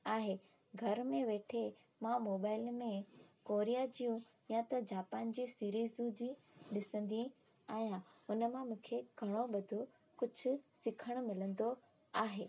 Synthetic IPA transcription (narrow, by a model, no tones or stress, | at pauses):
aːɦeː | ɡʱɐɾmẽʋeːʈʰe | mãmoːbaːɪlmẽkoːɾijad͡ʑijũ | jãt̪ɐd͡ʑaːpaːnd͡ʑisiːɾiːzũd͡ʑĩ | ɗɪsə̃nd̪iĩ | ɛ̃ːʊnəmãmũːkʰeɡʱɐɽ̃oɓɐd̪ʱo | kʊd͡ʑʱʊ̆sɪkʰəɽ̃ʊ̆mɪlə̃nd̪o | aːɦeː